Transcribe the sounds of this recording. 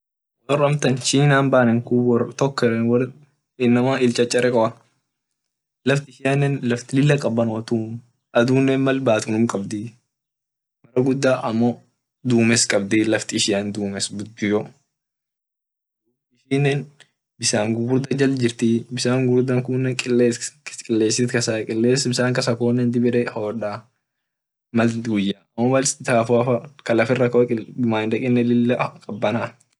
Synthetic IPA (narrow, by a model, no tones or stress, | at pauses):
ɔrɐmt̪ɐnʃiːnaːnbaːnɛŋkuwt̪ɔkːɐwɐ | ɪnːɐmaːɪlt͡ʃʼɐt͡ʃʼːɐɾɛkʼɔʔɐ | lɐft̪ɪɪʃɪjanːɛnlɐft̪ɪlɪlːɐkʼɐbːɐnwɐt̪uːm | ʔɐd̪uːnːɛːnmɐlbaːt̪ʊnʊmkʼɐbd̪ɪ | mɐrɐɡʊd̪ːaːʔɐmːɔ | d̪uːmɛskʼɐbd̪ɪlɐft̪ɪɪʃɪjand̪uːmɛsɡʊd̪ɪjɔ | ɪʃiːnːɛn | bɪsaːŋɡʊɡʊɾd̪ɐd͡ʒɐld͡ʒɪɾt̪ibɪsaːŋɡʊɾd̪ɐŋkʊnːɛkʼɪlekʼɪlːeːsɪt̪kɐsakʼɪlːeːsbɪsaːŋkɐsɐkoːnːɛnd̪ɪbɪᶑɛhoːᶑaː | mɐlɡʊjːaɐmːɔmɐlsɪt̪aːfaːfɐkɐlɐfɪrːɐkɐɪmaːnd̪ɐkʼɪnːɛlɪlːɛkʼɐbːɐna